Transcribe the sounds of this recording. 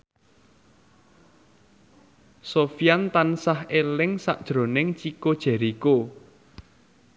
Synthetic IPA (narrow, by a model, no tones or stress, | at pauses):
sofijant̪ansahelɪŋsa̰ʔd̥ʒ̥ɾo̤nɪŋt͡ʃikod̥ʒ̥ɛ̤ɾiko